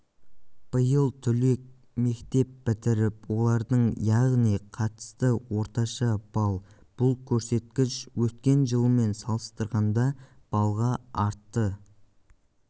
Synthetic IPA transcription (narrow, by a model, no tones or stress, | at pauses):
b̥əjəlˠt̪ʰʏle̞k̚ | me̞kt̪e̞pbɪt̪ɪɾɪpwo̞lˠɑɾd̪əɴjɑʁnijqʰɑt̪ə̥st̪əwo̞ɾt̪ɑʃɑb̥ɑlˠ | b̥ʊlˠkʲʰɵɾse̞t̪̚kʲɪʃwɵt̪kʲe̞nʒəlˠəme̞nsɑlˠəst̪əɾʁɑnd̪ɑ | b̥ɑlˠʁɑɑɾt̪ːə